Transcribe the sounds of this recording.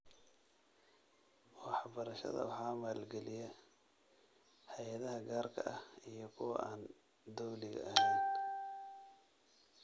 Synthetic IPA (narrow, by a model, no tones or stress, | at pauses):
wɑħbɐɾɐʃɐ̰ðɐ̰wɑħɑːmaːlɡɛlɪjɐ | hɛjɐðɐɦɐɡaːrkʰɐʔɐhijɞkʰʊwɑ̰ʔaːn | d̪ɔwlɪɣɐ̰ɐhɛjn